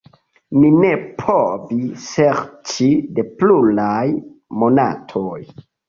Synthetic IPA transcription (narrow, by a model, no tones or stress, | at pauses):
nine̞pʰovise̞ɾt͡ʃide̞plulajmo̞na̰tʰoj